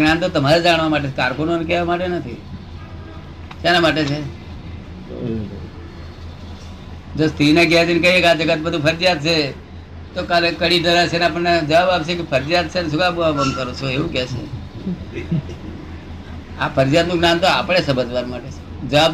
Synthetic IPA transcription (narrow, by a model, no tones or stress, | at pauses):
nant̪ot̪əmaɾed͡ʒaɽ̃ʋamaʈ̬et͡ʃʰekaɾkunonekɛʋamaʈenət̪ʰi | ʃanamaʈet͡ʃʰe | d͡ʒost̪ʰinek̬ɛd͡ʒenkəiekad͡ʒəɡət̪̚bəd̪ʱũpʰəɾd͡ʒijad̪̚t͡ʃʰe | t̪okalekəɽiɖəlat͡ʃʰeneapəɳːed͡ʒəʋabapt͡ʃʰekepʰəɾd͡ʒijat̪̚t͡ʃʰenes̬uɡaboʋakəmkəɾot͡ʃʰoeʋũkɛʃḛ | apʰəɾd͡ʒijat̪nũɡnant̪oa̰pɽ̃esəbəd͡ʒʋaɾmaʈet͡ʃʰe̥d͡ʒəʋab